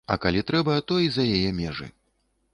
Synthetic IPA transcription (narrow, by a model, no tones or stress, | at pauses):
ɐ̰kalʲit̪ɾɛbɐt̪ɔizɐjajɛmʲɛʐɨ̰